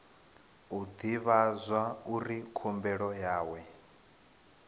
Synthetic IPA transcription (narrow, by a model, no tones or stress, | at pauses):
ud̪iβazʷwauɾikʰumbɛɺɔjaːwɛ